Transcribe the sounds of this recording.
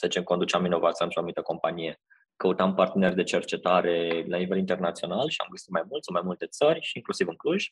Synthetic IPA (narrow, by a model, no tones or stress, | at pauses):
set͡ʃemko̞nd̪ut͡ʃamːino̞vat̪siant̪ɾeonumit̪əko̞mpanije̞ | kəut̪ampart̪e̞ne̞rʲd̪e̞t͡ʃe̞rt͡ʃe̞t̪aɾe̞lanive̞lint̪ernat̪sio̞nalʃia̰mɡəsit̪majmult̪sumajmult̪e̞t̪sərʲʃiiŋklusivɨŋkluʒ̥ʲ